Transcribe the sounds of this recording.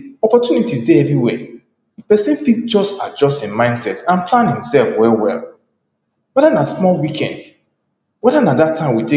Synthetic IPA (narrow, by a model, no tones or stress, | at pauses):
ɔpɔtʰjunitizdeɛvɹiwɛ̰ | ipɛsɛ̃nfit̚d͡ʒɔstad͡ʒɔstĩnmãɪ̃nsɛtãnplãnhĩmsɛlfwɛlwɛ̰lˠ | wɛðanasmɔlwikʰɛ̃nd | wɛðanadatʰːãɪ̃mwite